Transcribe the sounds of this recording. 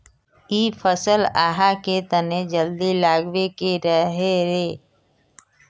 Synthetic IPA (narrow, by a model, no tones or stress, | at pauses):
iːpʰəsəlaːɦaket̪əned͡ʒəld̪ilaːɡwekeɾəɦeɾeː